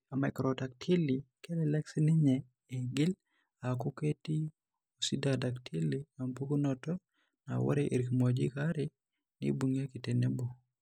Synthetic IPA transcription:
a˨ma˨kɾɔta˨k̚tʰi˦li˨ke˦lɛlɛ˦ksi˦nɪ˦ɲɛː˨ | ɡɪ˦l | aku˦ke˦ti˦ | o˨si˦dada˨ktʰi˦lima˨mpu˦ɡo˦nɔtɔ˦ | na̰wɔ̰˦ɾeʔe˨ɾikmod͡ʒḭ˦kaɾɪ | nɪ̰buŋe˦ki˨te˨ne˦bo˨

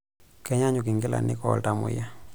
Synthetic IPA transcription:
kɛ˦ɲa˦ɲʊ˨kɪ˨ŋɡɪ˦la̰˨nɪ̰˦kɔ˨lta˨mʊ̰˨ja˦

